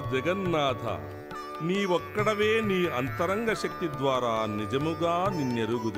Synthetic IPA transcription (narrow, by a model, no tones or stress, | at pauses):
d͡ʒɐɡɐnːaːd̪ʱɐ̰a̰ | niːʋɔkːɐɽɐʋeːniːɐnt̪ɐɾɐŋɡɐʃɐk̚t̪id̪ʋaːɾaːnid͡ʒɐmuɡaːninːeɾuɡud̪